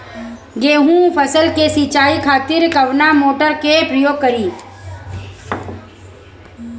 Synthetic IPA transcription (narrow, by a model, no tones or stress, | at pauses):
ɡeːɦũpʰəsəlkesit͡ʃaːikʰaːt̪ɪɾkɐʋnamoːʈəɾkepɾəjoːɡ̚kəɾiː